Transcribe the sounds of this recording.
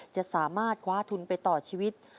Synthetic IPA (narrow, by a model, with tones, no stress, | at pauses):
t͡ɕa˨˩ʔsaː˩˦maː˥˩t̪̚kʰwaː˦˥t̪ʰu˧npa˧jt̪ɔː˨˩t͡ɕʰiː˧wi˦˥t̪̚